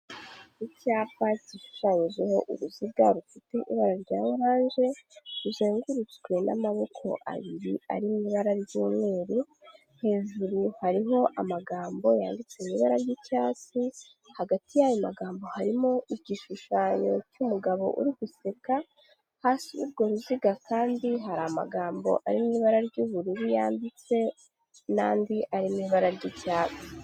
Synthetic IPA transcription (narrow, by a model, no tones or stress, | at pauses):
icaːpaciʃu̥ʃaɲiʒeho̞ʔṵɾuziɡaɾufite̞ʔḭβaɾaɾɟaːjɾaːnʒe̞ɾuzeːŋɡuɾut͡swe̞na̰maβo̞kʰo̞̰ʔa̰βiɾia̰ɾimiβaɾaɾjuːmŋe̞ːɾu | he̞ːʒuɾuhaɾiɦo̞ʔamaɡaːmbo̞ja̰ːndit͡swemiβaɾaɾɟicaːt͡si | haɡatijajo̞maɡaːmbo̞haɾimoiɟiʃuʃaːɲo̞̰cumuɡaβo̞̰ʔṵɾiɡuseka | haːsiṵbɡo̞ɾuziɡakaːndiɦaɾama̰ɡaːmbo̞̰ʔaɾimiβaɾaɾɟuːβuɾiɾijaːndit͡se̞ | na̰ːndiʔaɾimiβaɾaɾɟicaːt͡si̥